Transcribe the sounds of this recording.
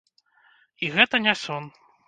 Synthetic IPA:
iɣɛt̪ɐnʲasʲɔn

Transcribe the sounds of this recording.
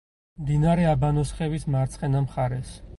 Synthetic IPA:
md̪inaɾɛabanɔsχɛvismaɾt̪sʰχɛnamχaɾɛs

